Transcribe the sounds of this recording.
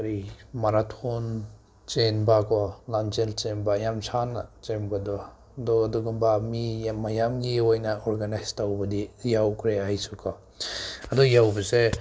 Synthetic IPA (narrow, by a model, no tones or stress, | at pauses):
ɾimaɾatʰon | t͡ʃenbakʰɔlant͡ʃelt͡ʃembaːjamsʰana̰t͡ʃemɡadɔ | dɔaduɡubamimajamɡiojnɐoɾɡanajstawbɐdijawkʰɾeajsukʰɔ | ɐdɔjawbɐse